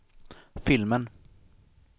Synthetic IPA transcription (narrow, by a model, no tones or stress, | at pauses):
fɪlmən